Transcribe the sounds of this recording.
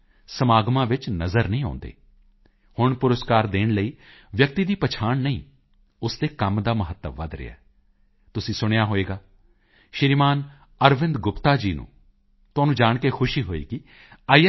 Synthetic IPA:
səmaːɡmãːʋɪt͡ʃnəzəɾnəĩːã̰ːnd̪ḛː | hʊɳpʊɾəskaːɾd̪eːɳləiːʋjək̚t̪iːd̪iːpət͡ʃʰaːɳnəĩː | ʊsd̪eːkəmd̪aːməɦət̪ːəʋːə̰d̪ɾɪ̰a̰ː | t̪ʊsĩːsʊɽ̃jaːɦoːeːɡaː | ʃɪɾiːmaːn | əɾʋɪ̃nd̪ɡʊpt̪aːd͡ʒiːnṵ̃ː | t̪ʊaːnũːd͡ʒaːɳkeːkʰʊʃiːɦoːḛːkɪ | aːi

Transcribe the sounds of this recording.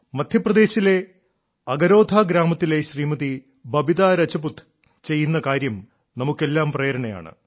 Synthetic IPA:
mɐd̪ʱjɐprɐd̪e̞ːɕile̞ | ɐɡɐɾo̞ːd̪ʱaːɡɾaːmɐt̪ːile̞ɕriːmɐði | bɐbiðaːɾɐt͡ɕɐbut̪ʰː | t͡ɕe̞jːunːɐkaːɾjɐm | nɐmukːe̞lːaːmprɐjɐɾɐɳɐja̰ːɳɨ̰

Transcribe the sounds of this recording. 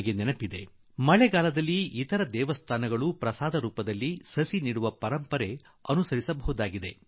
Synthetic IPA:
ɡeninɐpid̪e̞ | mɐɭeɡaːlɐd̪ɐlːiit̪ɐɾɐd̪ɛːʋɐst̪ʰaːnɐɡɐɭupɾɐsaːd̪ɐɾuːpɐd̪ɐlːisɐsiniːɽuʋɐpɐɾɐmpɐɾe | ɐnusɐɾisɐbɐɦud̪aːɡid̪e̞

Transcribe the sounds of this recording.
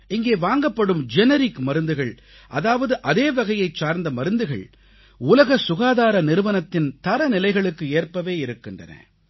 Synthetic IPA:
ɪŋɡeːʋaːŋɡɐpːɐɽɯmd͡ʒɛnɐɾɪkmɐɾɯnd̪ɯɣɐɭ | ʔɐðaːʋɐðɯʔɐðeːʋɐɣɐjɐɪt͡ʃt͡ʃaːɾnd̪ɐmɐɾɯnd̪ɯɣɐ̰ɭ | ʊlɐɣɐsʊɣaːðaːɾɐnɪɾɯʋɐnɐt̪ːɪnt̪ɐɾɐnɪlɐɪɣɐɭɯkːɯeːrpɐʋeːɪɾɯkːɪndrɐ̰nɐ̰

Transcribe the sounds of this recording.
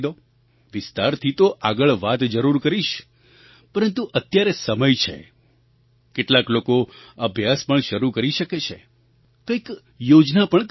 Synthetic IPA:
d̪o | ʋɪst̪aɾt̪ʰit̪oʔaɡəɭʋat̪d͡ʒəɾuɾkəɾiʃ | pəɾənt̪uʔət̪jaɾesəməjt͡ʃʰḛ | keʈlaklokoəbʱjaspəɳʃəɾukəɾiʃəket͡ʃʰḛ | kəik | jod͡ʒnapəɳ

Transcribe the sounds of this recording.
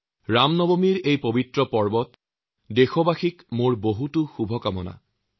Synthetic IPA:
ɹamnɔbomiɹejpobitɹɔpɔɹbɔt | dexɔbaxikmoɹboɦutʊxubʱɔkamɔna̰

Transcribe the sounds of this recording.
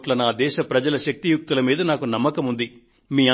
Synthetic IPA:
ʈlɐnaːd̪ɛːʃɐpɾɐd͡ʒɐlɐʃɐk̚t̪ijuk̚t̪ulɐmiːd̪ɐnaːkunɐmːɐkɐmund̪i | miːɐ

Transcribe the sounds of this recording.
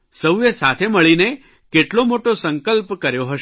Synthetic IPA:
səwjəsat̪ʰeməɭine | keʈlomoʈosəŋkəlpkəɾjoɦəʃ

